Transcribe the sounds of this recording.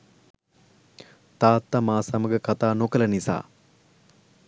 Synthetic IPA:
t̪aːt̪ːamaːsaməɡəkat̪aːnokələnisa̰ː

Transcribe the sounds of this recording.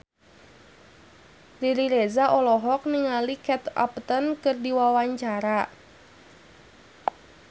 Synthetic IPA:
liɾiɾezaʔɔlɔɦɔk̚niŋalikɛt̪a̰pt̪ənkɨrdiwawaɲt͡ʃaɾa

